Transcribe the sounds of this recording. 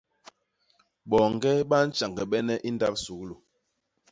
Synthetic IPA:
ɓɔ˨ŋ˨ɡɛ˦ɓa˦n̩˦t͡ʃa˨ŋɡɛ˨ɓɛ˦nɛ˦ʔi˦nda˦p̚su˨˦klu˨

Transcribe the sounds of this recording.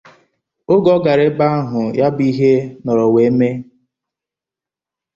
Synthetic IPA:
ʊ˦ɡɔ˦ɡa˨ɾɪ˦ba˦ɦʊ˨ja˦bi˦ɦe˦nɔ˨ɾɔ˨we˨˦me˦

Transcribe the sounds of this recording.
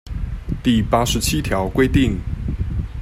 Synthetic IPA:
t̪i˥˨pa˥ʂɻ̩˨˧˦t͡ɕʰi˥t̪ʰjɑ˨˧˥ʊkwe˥ɪt̪i˥˨˩ŋ

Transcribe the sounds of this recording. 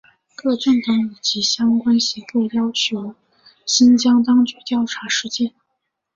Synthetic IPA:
kɤ˥˧ʈ͡ʂə˥˩nt̪ɤ˧˥ŋi˨˩t͡ɕi˧˥ɕjɑ˥ŋkwa˥nɕi˧˥ŋkɤ˥˩jɑ˥ʊt͡ɕʰjo˧˥ʊ | ɕi˥nt͡ɕjɑ˥ŋt̪ɑ˥ŋt͡ɕy˧˥t̪jɑ˥˩ʊʈ͡ʂʰa˧˥ʂɻ̩˥˧t͡ɕjɛ˥˩n

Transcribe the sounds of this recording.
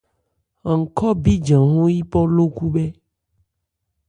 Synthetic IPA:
ŋ̩˨kɔ˦bi˦d͡ʒã˨ɦũ˦ji˦pɔ˦lo˦ku˦bɛ˦

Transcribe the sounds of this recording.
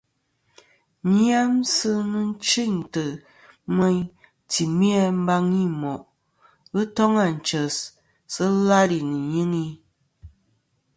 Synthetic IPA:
ɲi˦a˦msɨ˦nɨ˦n˦t͡ʃɨ˦˨ɲtɨ˨ | mə˦ɲ | ti˨mi˦a˦m̩˦ba˦ŋi˦mɔ˨ʔ | ɣɨ˦tɔ˦ŋa˦˨n̩˨t͡ʃə˨s | sɨ˦la˦ɾi˨nɨ˨ɲɨ˦ŋi˦

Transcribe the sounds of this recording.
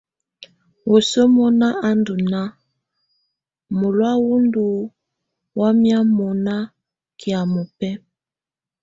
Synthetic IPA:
wʔo˨so˦mɔ˦na˦ʔa˦ndu˨na˦ | mo˨lwa˦wu˦ndu˨ | wa˦mja˦mɔ˨na˦ | ki˨a˨mo˨pɛ˦

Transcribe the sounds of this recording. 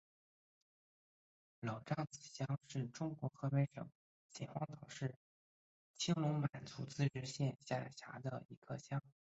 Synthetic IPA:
lo˨˩ʊʈ͡ʂɑ˥˩ŋt͡sɹ̩˨˩ɕjɑ˥ŋʂɻ̩˥˩ʈ͡ʂʊ˥ŋkwɔ˧˥xɤ˧˥pɛ˧˥ʂɤ̰˨˩˦ŋ | t͡ɕjɛ˨˩nxwɑ˥˩ŋt̪ʰɑ˨˩ʊʂɻ̩˥˩ | t͡ɕʰi˥ŋlʊ˧˥ŋma˨˩nt͡su˧˥t͡sɹ̩˥˩ʈ͡ʂɻ̩˥ɕjɛ˥˧nɕja˥˩ɕja̰˧˥d̪ə˧ḭ˧˥kʰə˥˧ɕjɑ˥ŋ

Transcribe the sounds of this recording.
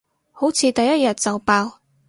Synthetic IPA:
ho˨˥wt͡sʰiː˧t̪ɐ˨jːɐ˥t̚jɐ˨t̚t͡sɐ˨wpaː˧w

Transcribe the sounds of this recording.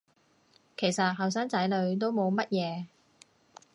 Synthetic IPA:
kʰe˨˩jsɐ˨t̚ɦɐ˨˩wsaː˥ŋt͡sɐ˨˥jlɵ˨˧ɥt̪o˥wmo˨˧wmɐ˥t̚jɛː˨˧

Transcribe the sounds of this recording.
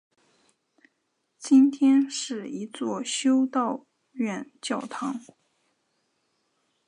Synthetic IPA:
t͡ɕi˥nt̪ʰjɛ˥nʂɻ̩˥˩i˧˥t͡swɔ˥˧˩ɕjo˥ʊt̪ɑ˥˧ʊ | ɥɛ˥˧˩nt͡ɕjɑ˥˩ʊt̪ʰɑ˧˥ŋ

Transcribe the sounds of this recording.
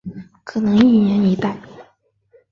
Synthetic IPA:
kʰɤ˨˩nɤ˧˥ŋi˥˩jɛ˧˥ni˧˥t̪a˥˩ɪ

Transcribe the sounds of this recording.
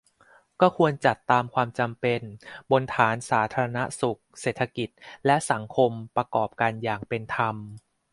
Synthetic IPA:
kɔː˥˩kʰu˧ənt͡ɕa˨˩t̪ːaː˧mkʰwaː˧mt͡ɕa˧mpe˧nbo˧nt̪ʰaː˩˦nsaː˩˦t̪ʰaː˧ɾa˧na˦˥su˨˩k̚seː˨˩t̪ʰa˧ki˨˩t̪̚lɛ˦˥ʔsa˩˦ŋkʰo˧mpɾa˧kɔː˨˩p̚kaː˧njaː˨˩ŋpe˧nt̪ʰa˧m

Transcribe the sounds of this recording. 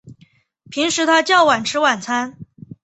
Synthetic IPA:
pʰi˧˥ŋʂɻ̩˧˥t̪ʰa˥t͡ɕjɑ˥˩ʊwa˨˩nʈ͡ʂʰɻ̩˥wa˨˩nt͡sʰa˥n

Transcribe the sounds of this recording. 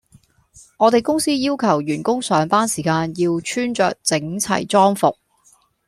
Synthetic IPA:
ŋɔː˨˧t̪e˨jkʊ˥ŋsiː˥jiː˥wkʰɐ˨˩wjyː˨˩nkʊ˥ŋsœː˨˧˥ŋpaː˥nsiː˨˩kaː˧njiː˧wt͡ʃʰyː˥nt͡ʃœ̰ː˨k̚t͡sɪ˨˥ŋt͡sʰɐ̰˨˩jt͡sɔː˥ŋfʊ˨k̚

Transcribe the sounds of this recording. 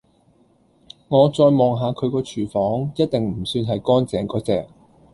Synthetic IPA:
ŋɔː˨˧t͡sɔː˧jmɔː˨ŋɦaː˨˧kʰɵ˨˧ɥkɔː˧t͡ʃʰyː˨˩fɔː˨˥ŋjɐ˥t̚t̪ɪ˨ŋm̩˨˩syː˧nɦɐ˨jkɔː˥nt͡sɛː˨˥ŋkɔː˨˧˥t͡sɛ̰ː˨k̚

